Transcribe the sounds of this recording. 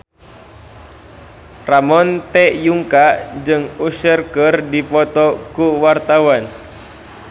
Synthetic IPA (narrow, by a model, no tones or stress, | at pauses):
ramɔnt̪ɛʔjuŋkad͡ʒɨŋusərkərdipɔt̪ɔkuwart̪awan